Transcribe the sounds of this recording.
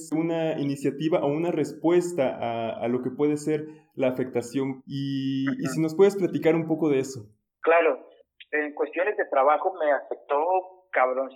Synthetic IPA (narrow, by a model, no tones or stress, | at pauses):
seunainisjat̪iβaʔo̞unare̞spwe̞st̪aaa̰lo̞ke̞pwe̞ðese̞ɾlaːfe̞k̚t̪asjo̞niːsino̞spweðesplat̪ikaɾumpo̞ko̞ðeeso̞ | klaɾo | eŋkwe̞st̪jo̞nezðet̪ɾaβaxome̞afek̚t̪okaβɾon